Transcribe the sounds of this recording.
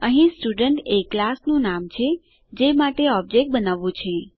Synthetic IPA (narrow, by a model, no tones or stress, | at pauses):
əɦĩsʈuɖəɳʈeklasnũnamt͡ʃʰe | d͡ʒemaʈeɔb̚d͡ʒek̚ʈ̚bənaʋũt͡ʃʰe